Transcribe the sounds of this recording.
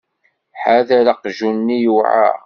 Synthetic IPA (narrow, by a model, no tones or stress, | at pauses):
ħaðæɾaqʒunːijuʕa̰